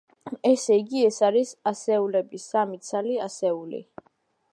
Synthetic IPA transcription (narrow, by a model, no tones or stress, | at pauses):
ɛsɛiɡiɛsaɾisasɛulɛbisamit̪sʰaliasɛulḭ